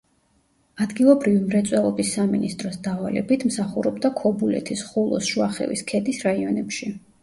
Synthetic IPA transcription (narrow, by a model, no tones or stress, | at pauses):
ad̪ɡilˠɔbɾivimɾɛt̪sʼwɛlˠɔbisːaminist̪ʼɾɔsd̪avalɛ̰bit̪ʰmsaχuɾɔbd̪akʰɔbulɛ̰t̪ʰisχulˠɔ̰sʃuaχɛ̰vḭskʰɛd̪isɾaiɔnɛpʃi